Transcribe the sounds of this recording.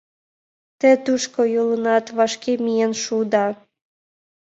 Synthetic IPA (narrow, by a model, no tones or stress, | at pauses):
t̪et̪uʃkojolə̆nɑt̪βɑʃkemijenʃud̪ɑ